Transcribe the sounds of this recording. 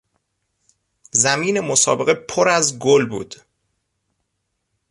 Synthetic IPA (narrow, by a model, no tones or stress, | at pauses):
zæmiːne̞mosɒ̰ːbe̞ɣepʰoɾæzɡolbṵːd̪̥